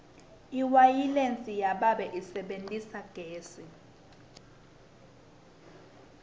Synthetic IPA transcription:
iwajilent͡sʼijaɓaɓɛʔisɛɓentʼisaɡ̥ʱeːsi

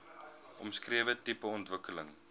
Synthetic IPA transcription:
ʔɔmskriəvətipəɔntvəkələ̰ŋ

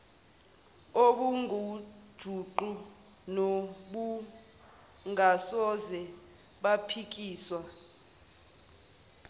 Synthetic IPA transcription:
oɓuŋʱud̥ʒ̥ʱuǃu | noɓu | ŋʱasɔzɛ | ɓapʰik̬ʼiːswa

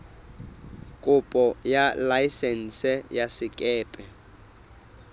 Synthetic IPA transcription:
kʼʊpʼɔjalajsɛn̩sɛjasɪkʼɛːpʼɛ

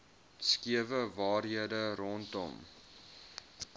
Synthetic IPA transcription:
skiəvəvɑːrɦiədəɾɔntɔ̰m

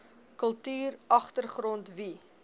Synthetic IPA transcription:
kəlˠtyːrɐχtərχɾɔntvi

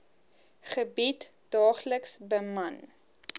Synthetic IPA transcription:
χəbit | dɑːχləksbəmɐn

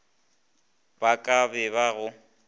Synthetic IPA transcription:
bakʼabɛbaɣʊ

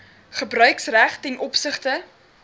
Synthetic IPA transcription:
χəbrœɥksræχtɛnʔɔpsəχtə

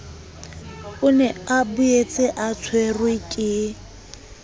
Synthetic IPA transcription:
ʊnɛabʊet͡sʼɪʔat͡sʰwerwɪkʼɪ

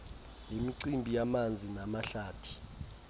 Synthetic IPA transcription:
jemiǀimbʱijamand͡zʱinamaɬaːtʰi̥

